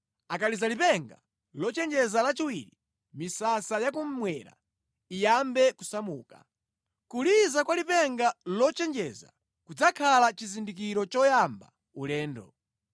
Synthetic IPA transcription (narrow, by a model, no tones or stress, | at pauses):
akalizalipɛŋɡa̰ | lɔt͡ʃɛnd͡ʒɛzalat͡ʃiwiɾi | misasajak̬um̩mwɛɾa̰ | ijambɛkusamuːka̰ | kulizakwalipɛŋɡalɔt͡ʃɛnd͡ʒɛza̰ | kud͡zakʰalat͡ʃizindik̬iɾɔt͡ʃɔjamba̰ | ulɛːndɔ̰